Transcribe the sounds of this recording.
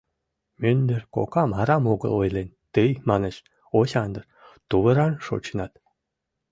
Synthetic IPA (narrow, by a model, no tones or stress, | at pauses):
mynd̪ɘrko̰kɑmɑɾɑmoɣə̰̆lojlent̪ɨjmɑnət͡ɕ | osʲɑnd̪ərt̪uβə̆ɾɑnʃo̰t͡ɕənɑt̪